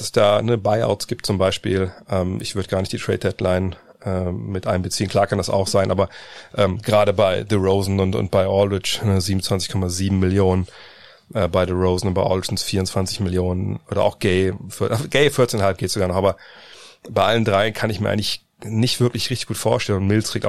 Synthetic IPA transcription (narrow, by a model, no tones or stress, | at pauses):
sɛsd̥aːnəbaɪʔa̰ʊtsɡ̥iːp̚tt͡sʊmbaɪʃpiːlʔɛːmʔɪçv̥ʏɐdəɡaːɐnɪçtd̥iːtʁ̥ɛ̰ːt̚d̥ɛtlaɪn | ʔɛːmɪtʔaɪnəmbət͡siːən̩kl̥aːkʰandasa̰ʊxz̥aɪnʔaːbɐʔɛːmɡəʁaːɾəbaɪðəʁoʊzn̩ʊntʊ̰nt̚b̥aɪʔɔlʁɪt͡ʃnəziːbmʊn̩t͡sv̥ant͡sɪçkʰɔmaziːbm̩mːɪljoːnən | ʔɛːbaɪdəʁoʊzn̩ʊntb̥aɪʔɔ̰ʁɪtn̩sfiːɐʊnt͡sv̥ant͡sɪçmɪljoːnənʔoːɾɐ̰ʔa̰ʊxɡ̥eɪfɪʔaɡ̥eɪfɪɐtt͡sːnhalp̚ɡ̥eːtz̥oɡaːɐnɔχʔaːbɐ | baɪʔaləndʁaɪnkʰanɪçmiɐʔa̰ŋlɪç | nɪçtv̥ɪɐklɪçʁɪçtɪçɡ̥uːtfoːɐʃtɛlənʊntmɪlsʰʁ̥ik̚tʔaʊ